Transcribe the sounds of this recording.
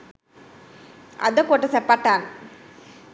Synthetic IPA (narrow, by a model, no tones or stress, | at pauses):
ɐ̰d̪ɐkoːʈːɐsɛpːaːʈːaːn